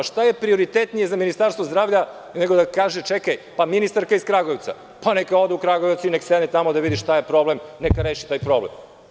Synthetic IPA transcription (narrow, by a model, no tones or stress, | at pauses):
ʃt̪aje̞pɾio̞ɾit̪et̪nijezaminist̪aɾst̪ʋozd̪ɾaːʋʎa | neɡod̪akaːʒet͡ʃekajpaminist̪aɾkaiskɾaɡojt̪sa̰ | panekao̞d̪eukɾaɡojtsineksed̪nɛt̪amod̪aʋid̪iʃt̪ajepɾoblemnekaɾeːʃit̪aːjpɾo̞blḛm